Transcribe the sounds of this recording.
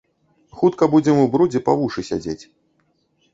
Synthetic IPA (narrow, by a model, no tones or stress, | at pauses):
xut̪kɐbud͡zʲɛmubɾud͡zʲɛpa̰vuʂɨsʲa̰d͡zʲet͡sʲ